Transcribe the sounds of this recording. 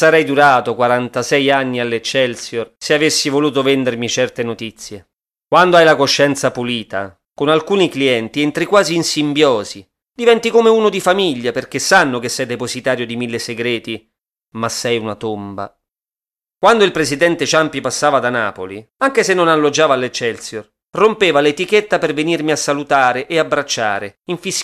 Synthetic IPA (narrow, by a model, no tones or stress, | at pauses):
saɾɛjd̪uɾaːt̪okwaɾant̪asɛjanːialːet͡ʃːɛlsjorseavesːivoluːt̪ovɛnd̪ermit͡ʃɛrt̪enot̪it̪sːje | kwand̪oajlakoʃːɛnt̪sapuliːt̪a̰ | konalkuːnikliɛnt̪iɛnt̪ɾikwaːziːnsimbjɔːzi | d̪ivɛnt̪ikomeuːnod̪ifamiʎːaperk̟esːanːokesːɛjd̪epozit̪aːɾjod̪imilːeseɡɾeːt̪i | masːɛjunat̪omba̰ | kwand̪oilpɾezid̪ɛnt̪et͡ʃampipasːaːvad̪ana̰ːpoli | aŋk̟esenːonalːod͡ʒaːvalːet͡ʃːɛlt̪sjor | rompeːvalet̪iket̪ːapervenirmiasːalut̪aːɾeʔeabːɾat͡ʃːa̰ːɾeiɱfis